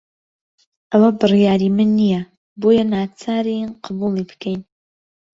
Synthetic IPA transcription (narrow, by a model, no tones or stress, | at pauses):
ʔɐwɐbɨrijaːɾiːmɨnːijɛ | boːjɐnaːt͡sʰaːɾiqʰɑbuːlˠibɨ̥kʰɛjn